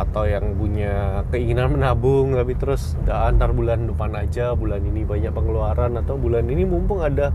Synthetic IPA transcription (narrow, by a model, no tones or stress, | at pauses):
at̪awjaŋpuɲakəiŋinanmənabʊŋt̪apit̪əɾʊs | daːnt̪arbulandupanad͡ʒabulaninibaɲak̚pəŋəluaɾanat̪awbulaninimumpʊŋada